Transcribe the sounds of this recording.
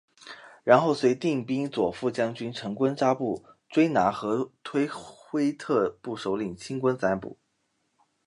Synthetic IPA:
ɻa˧˥nxo˥˩ʊswe˧˥ɪt̪i˥˩ŋpi˥ŋt͡swɔ˨˩fu˥˩t͡ɕjɑ˥ŋt͡ɕy˥nʈ͡ʂʰɤ˧˥ŋkwə˥nʈ͡ʂa˥pu˥˩ʈ͡ʂwe˥ɪna˧˥xɤ˧˥t̪ʰwe˥ɪxwe˥ɪt̪ʰɤ˥˧pu˥˩ʂo˧˥ʊli˨˩ŋt͡ɕʰi˥ŋkwə˥nt͡sa˧˥npṵ˨˩˦

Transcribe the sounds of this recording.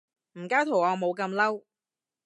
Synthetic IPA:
m̩˨˩kaː˥wt̪ʰo˨˩wɔː˨˧mo˨˧wkɐ˧mlɐ˥w

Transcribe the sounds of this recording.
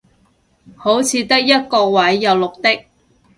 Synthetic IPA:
ho˨˥wt͡sʰiː˨˧t̪ɐ˥k̚jɐ˥t̚kɔː˧wɐ˨˥jːɐ˨˧wlʊ˨k̚t̪ɪ˥k̚

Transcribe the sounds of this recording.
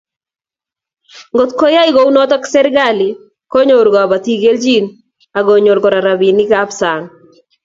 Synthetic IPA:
ŋɡo˨t̪ko˦ja˦ɪ˦ɡo˦u˦nɔ˦t̪ɔ˦ksɛ˦ɾɡalɪ˨ | ko˦ɲoɾɡɔ˨a˨ba˨t̪i˦ɡe˦ld͡ʒin | a˨ɡo˨ɲo˨ɾɡɔ˨ɾa˨ɾa˨bi˨nɪ˦ka˦psa˨ŋ

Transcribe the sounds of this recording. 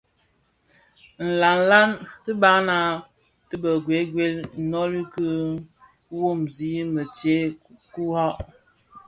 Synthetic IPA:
n̩˨la˨n̩˨la˦ntɨ˦ba˦na˦ | tɨ˦bə˨ɡwe˨˦ɡwe˦lnɔ˦ɾi˦kɨ˦ | wo˦˨mzi˦mə˨t͡ʃe˦ku˦ha˦ʔ

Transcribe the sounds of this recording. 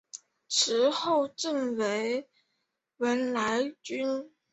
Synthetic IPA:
ʈ͡ʂʰɻ̩˧˥xo˥˧ʊʈ͡ʂə˥˩nwe˧˥ɪ | wə˧˥nla˧˥ɪt͡ɕy˥n

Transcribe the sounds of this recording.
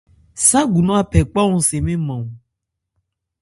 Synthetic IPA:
sa˦ɡu˨nɔ̃˦a˨pʰɛ˨k͡pa˦ŋũ˦se˨mẽ˦mã˨ŋ̃˨

